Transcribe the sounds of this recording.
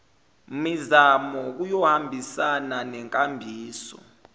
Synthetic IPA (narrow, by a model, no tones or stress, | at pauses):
mizamɔk̬ujɔhambʱisananɛŋkʼambʱiːsɔ̰